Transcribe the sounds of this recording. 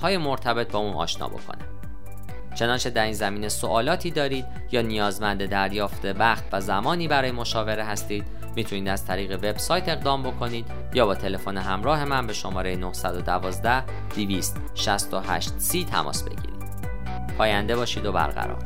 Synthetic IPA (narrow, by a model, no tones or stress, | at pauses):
pʰɒːjemo̞ɾt̪ʰæbe̞t̪̚ʰbɒːuːnɒ̰ːʃnɒ̰ːbo̞̰kʰo̰ni | t͡ʃʰe̞nɒːnt͡ʃʰe̞d̪æɾiːnzæmiːne̞soʔɒːlɒːt̪ʰiːd̪ɒːɾiːd̪ | jɒːnijɒːzmænd̪e̞d̪æɾjɒːft̪e̞væχt̪ʰvæzæmɒːniːbæɾɒːje̞mo̞ʃɒːve̞ɾeɦæst̪iːd̪̥ | miːt̪ʰuniːd̪æz̥t̪ʰæɾiːɣe̞ve̞bsɒːjt̪ʰeɣd̪ɒːmbo̞kʰo̞niːd̪̥ | jɒːbɒːt̪ʰe̞le̞foneɦæmɾɒːɦe̞mænbe̞ʃomɒːɾejenohsæd̪od̪ævɒːzd̪æh | d̪̥iviːst̪ | ʃæst̪oɦæ̰ʃt̪siːt̪ʰæ̰mʔɒ̰ːsbe̞̰ɟḭːɾḭːd̪̥ | pʰɒːjænd̪e̞bɒːʃiːd̪o̞bæ̰ɾɣæ̰ɾɒ̰ːɾ